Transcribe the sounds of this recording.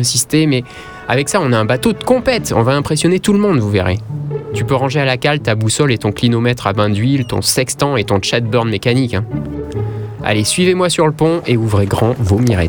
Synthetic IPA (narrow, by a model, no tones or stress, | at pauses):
ɛ̃sist̪emɛ | a̰vɛksaɔ̃naɛ̃bat̪od̪əkɔ̃pɛt̪ɔ̰̃vaɛ̃pχesjɔnet̪ulmɔ̃d̪vuveʁḛt̪ypøʁɑ̃ʒealakalt̪abusɔlet̪ɔ̃klinɔmɛt̪χabɛ̃d̪ɥilt̪ɔ̰̃sɛkst̪ɑ̃et̪ɔ̃t͡ʃat̪̚bœʁnmekanikɛ̃ | a̰lesɥivemwasyʁləpɔ̃euvʁeɡʁɑ̃vomiʁɛ̰